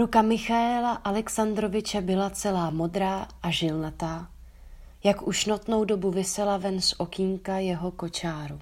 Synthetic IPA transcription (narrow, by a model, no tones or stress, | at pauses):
ɾukamɪxaɛlaʔalɛksand̪ɾo̞vɪt͡ʃɛbɪlat͡sɛlaːmo̞dɾaːʔaʒɪlnat̪aː | jakuʃnot̪no̞wdo̞buvɪsɛlavɛnsʔo̞kiŋkajɛɦo̞ko̞t͡ʃaːɾu